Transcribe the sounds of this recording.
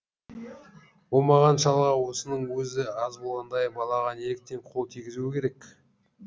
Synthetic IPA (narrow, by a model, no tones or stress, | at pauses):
wo̞lˠmɑʁɑnʃɑlˠʁɑwo̞sənəɴwɵzɪɑzbo̞lˠʁɑnd̪ɑjbɑlˠɑʁɑneɪk̚t̪e̞ɴqʰo̞lˠt̪ʰijɡʲɪzuɪkʲʰe̞ɾe̞k